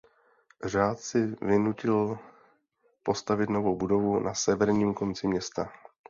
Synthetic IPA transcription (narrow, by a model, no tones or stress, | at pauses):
r̝aːt̪sɪvɪnucɪl | po̞st̪avɪt̪no̞vo̞wbudo̞vunʔasɛvɛɾɲiːmko̞nt͡sɪmɲɛst̪a